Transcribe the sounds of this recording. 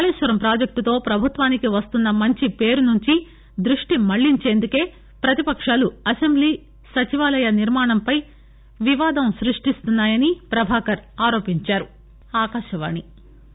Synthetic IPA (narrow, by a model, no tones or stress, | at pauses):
kaːliːʃʋɐɾɐmpɾaːd͡ʒɐk̚t̪ut̪o̞ːpɾɐbʱut̪ʋaːnikiʋɐst̪unːɐmɐɲt͡ʃipe̞ːɾunuɲt͡ʃi | d̪ɾuʂʈimɐɭːiɲt͡ʃe̞ːnd̪uke̞ː | pɾɐt̪ipɐkʂaːluɐsembliː | sɐt͡ʃiʋaːlɐjɐniɾmaːɳɐmpɐj | ʋiʋaːd̪ɐmsɾiʂʈist̪unːaːjɐnipɾɐbʱaːkɐɾaːɾo̞ːpiɲt͡ʃaːɾu | aːkaːʃɐʋa̰ːni